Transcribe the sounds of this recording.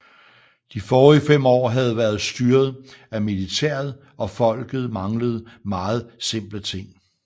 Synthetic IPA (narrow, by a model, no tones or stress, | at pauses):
d̥ifɒːʁifem̰ɒ̰ːɦæð̞̩ˠʋæɐð̞ˠsd̥yːɐð̞̩ˠæmilit͡sʰḛːɐð̩ˠ | ɒ̽fɒ̽l̰ɡ̥ð̞̩ˠmɑ̈ŋləð̞̩ˠmɑ̈ːð̞̩ˠse̝m̰b̥lət͡sʰe̝ŋ̰